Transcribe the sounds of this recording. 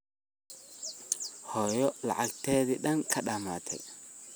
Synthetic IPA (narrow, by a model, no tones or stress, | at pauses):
hɔːjɔlɑ̰ʕɑɡ̚t̪ʰɛːðiɗɐŋkʰɐɗɐma̰ːt̪ʰɛ̰j